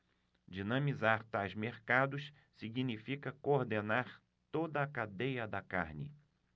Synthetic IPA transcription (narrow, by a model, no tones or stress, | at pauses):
d͡ʒinɐ̃mizaɾt̪ajzmeɾkad̪ʊs | siɡinifikɐkooɾd̪enaɾ | t̪od̪ɐːkad̪ejɐd̪ɐka̰ɾnɪ̰